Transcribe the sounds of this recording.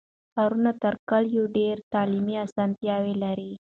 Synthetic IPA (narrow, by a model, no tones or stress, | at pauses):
aɾunat̪əɾkaljoɖeɾt̪ɑlimiasant̪jɑwelaɾi